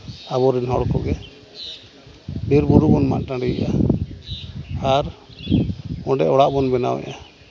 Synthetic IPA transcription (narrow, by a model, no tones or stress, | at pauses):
aβɔɾinɦɔɽkɔɡɛ | biɾbuɾubɔnma̰ʔʈãɖiɛ̰ʔa | aɾ | ɔɖɛʔɔɽaʔbɔnbɛna̰wɛ̰ʔa